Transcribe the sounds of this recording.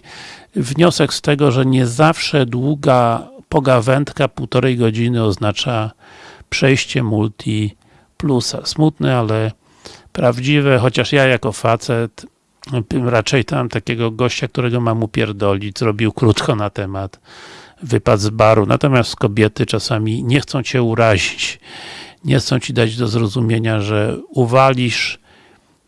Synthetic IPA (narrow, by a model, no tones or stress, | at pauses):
vɲɔsɛkst̪ɛɡɔʐɛɲɛzafʂɛd̪wuɡapɔɡavɛnt̪kapuwt̪ɔɾɛjɡɔd͡ʑinɘɔznat͡ʂa | pʂɛjɕt͡ɕɛmult̪ʲʰi | plusa̰smut̪nɛalɛ | pɾavd͡ʑivɛxɔt͡ɕaʂjajakɔfat̪sɛt̪ | ɾat͡ʂɛjt̪aamt̪akʲeɡɔɡɔɕt͡ɕak̚t̪uɾɛɡɔmamupʲjɛɾd̪ɔlʲizɾɔbʲiwkɾut̪kɔnat̪ɛmat̪ | vɘpad̪zbaɾunʔa̰t̪ɔmʲjast̪kɔbʲjɛt̪ɘt͡ʂasamʲiɲɛxt̪sɔ̃w̃t͡ɕɛuɾaʑit͡ɕ | ɲɛxt̪sɔ̃w̃t͡ɕid̪ad͡ʑd̪ɔzɾɔzumʲjeɲaʐɛuvalʲiʂ